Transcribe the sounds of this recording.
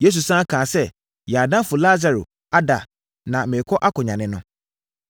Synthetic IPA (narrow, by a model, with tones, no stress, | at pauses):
je˦s̬u˨sã˦kʰãː˨sɛ˦ | jɛ˨a˨dã˦fʊ˨la˦za˨ɾo̰˨ | a˦da˨ | nã˨mɪ̃˨kʰɔ˦ʔa˦kʊ̃˨ɲã˨nɪ̃˦nʊ̃˦